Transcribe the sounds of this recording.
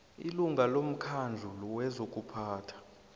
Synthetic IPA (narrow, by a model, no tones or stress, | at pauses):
iluŋʱalom̩kʰand͡ɮʱulɔwɛzokʼupʰaːtʰḁ